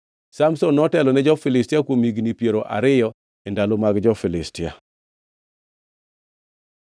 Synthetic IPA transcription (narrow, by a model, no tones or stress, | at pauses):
samsɔnːɔtɛlɔnɛd͡ʒɔfɪlɪstɪakwomiɡnipjeɾoʔa̰ɾɪjɔ | ɛndalomaɡd͡ʒɔfɪlɪstɪja̰